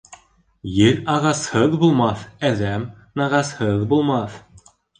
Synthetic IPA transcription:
jɘɾɑʁɑshɤðbulˠmɑθæðæm | nɑʁɑshɤðbulˠmɑθ

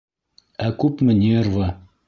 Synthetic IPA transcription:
ækʉpmɘ̆nʲerva

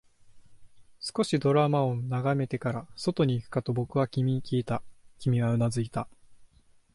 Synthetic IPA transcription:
sɨ̥ko̞ɕid̪o̞ɾamao̞naɡame̞t̪e̞kaɾaso̞t̪o̞ɲ̟iːkɯ̟̥kat̪o̞bo̞kɯ̟βakʲimʲikʲiːt̪akʲimʲiɡaɯ̟nazɨit̪a

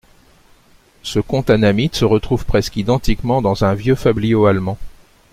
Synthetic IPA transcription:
səkɔ̃t̪anamit̪səʁət̪χuvpχɛskid̪ɑ̃t̪ikmɑ̃d̪ɑ̃zɛ̃vjøfablijoalmɑ̃

